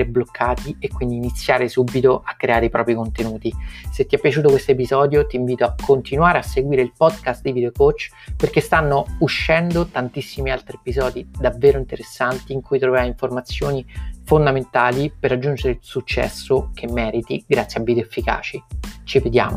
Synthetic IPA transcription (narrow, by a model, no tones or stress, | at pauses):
ɾeblokʰːaːt̪iekːwind̪iːnit̪sːjaːɾesubːit̪oʔakːɾeaːɾeipɾʔɔːpɾikont̪enuːt̪iset̪ːiɛpːjat͡ʃuːt̪okwest̪oepizɔːd̪jot̪iɱviːt̪oakʰːont̪inwaːɾeasːeɡwiːɾeilpɔd̪kast̪̚d̪ivid̪eokot͡ʃː | perkest̪anːouʃːɛnd̪ot̪ant̪isːimialt̪ɾiepizɔːd̪id̪avːeːɾoint̪eɾesːant̪iːŋkujt̪ɾoveɾajiɱformat̪sːjoːnifond̪ament̪aːliperːad͡ʒːund͡ʒeɾeilsut͡ʃːɛ̰sːokʰemːɛːɾit̪iɡɾat̪sːjiabːid̪joefːika̰ːt͡ʃit͡ʃivid̪ja̰ːmo